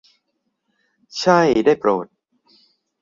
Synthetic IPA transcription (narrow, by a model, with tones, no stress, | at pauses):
t͡ɕʰa˥˩jdaː˥˩jpɾoː˨˩t̪̚